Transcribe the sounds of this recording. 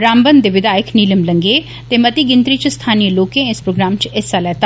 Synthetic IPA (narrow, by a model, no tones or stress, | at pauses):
ɾãːmbənd̪eːʋɪd̪aːjɪəkʰniːləmləŋɡeː | t̪eːmət̪iːɡɪnt̪ɾiːt͡ʃst̪ʰaːnijəloːkẽːɪspɾoːɡɾaːmt͡ʃɪsaːlɛːt̪aː